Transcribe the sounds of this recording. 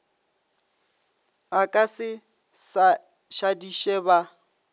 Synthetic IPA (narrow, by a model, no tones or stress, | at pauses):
akʼasɪ | sa | ʃadiʃɛba